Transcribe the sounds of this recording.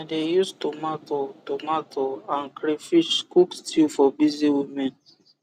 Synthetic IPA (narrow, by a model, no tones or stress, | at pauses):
ãndejustumatɔtomatɔãnkɾifit͡ʃkukstʰilfɔbiziwimɛ̃n